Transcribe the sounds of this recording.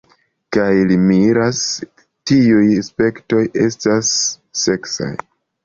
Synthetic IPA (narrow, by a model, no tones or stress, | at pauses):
kajlimiɾas | tiujspe̞kto̞je̞stasː | e̞ksa̰j